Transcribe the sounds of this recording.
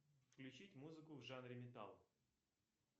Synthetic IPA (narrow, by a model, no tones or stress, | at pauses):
fklʲʉt͡ɕitʲmuzɨkʊvʐanɾʲɪmʲɪt̪a̰lˠ